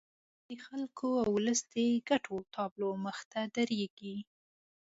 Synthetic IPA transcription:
d̪̥əxalkʰoawləsd̪eɡaʈʰot̪ʰɑbloməxt̪ad̪aɾeɡi

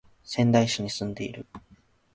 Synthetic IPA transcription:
sẽ̞nd̪aiɕiɲ̟isɨ̃nd̪e̞ḭɾɯ̟

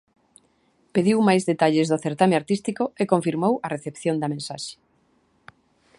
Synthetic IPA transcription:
peðiwmajzðet̪aʎezðʊθeɾt̪ameaɾt̪ist̪ikoekõɱfiɾmowɐreθepθjond̪ɐmẽnsa̰ʃe̥

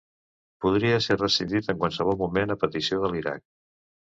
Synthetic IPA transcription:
puðɾiəsɛrðəsiðit̪əŋkwalˠsəβ̞ɔlˠmumenəpət̪isioðəliɾa̰k̚

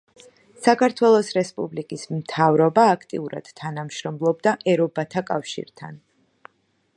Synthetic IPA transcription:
sakʰaɾt̪ʰwɛlˠɔsɾɛspʼublikʼism̩t̪ʰavɾɔbaːkʰt̪ʼḭuɾa̰d̪̥t̪ʰːanamʃɾɔmlˠɔbd̪aʔɛɾɔbat̪ʰakʼafʃḭɾt̪ʰa̰n

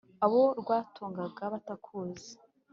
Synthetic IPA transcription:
aβo̞ɾɡwaːtʰuːŋɡaɡaβatakʰuːze̥

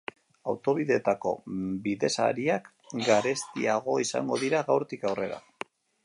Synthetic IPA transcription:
awt̪o̞βiðe̞t̪ako̞̰biðe̞sa̰ɾiak | ɡaɾe̞st̪iaɣo̞isa̰ŋɡo̞ðiɾaɣawɾt̪ikawre̞ɾa̰

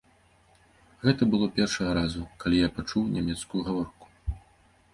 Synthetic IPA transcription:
ɣɛt̪ɐbɨlˠɔpʲɛrʂɐɣɐɾazukalʲijapat͡ʂuwnʲamʲɛt̪skujuɣavɔrku̥

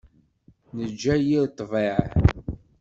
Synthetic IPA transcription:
nəd͡ʒːæjiɾt̪ˤːveʕ

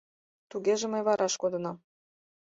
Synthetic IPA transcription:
t̪uɣeʒĕmə̆jβɑɾʔɑʃkod̪ɤ̆nɑm

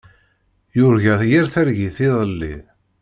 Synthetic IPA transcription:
jʊɾʝæθjæɾθæɾʝiθiðˤəlːḭ

